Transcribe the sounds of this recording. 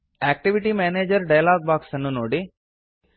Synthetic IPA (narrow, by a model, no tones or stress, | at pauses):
ɛːk̚ʈiʋiʈimeːneːd͡ʒɐɾɖajalaːɡ̚baːksɐnːunoːɽi